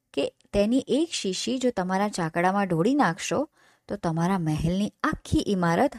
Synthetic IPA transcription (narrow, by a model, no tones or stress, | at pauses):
ket̪eniʔekʃiʃid͡ʒot̪əmaɾat͡ʃakɽamãɖʱoɽinakʰʃo | t̪ot̪əmaɾamɛɦɛlniakʰːiʔimaɾət̪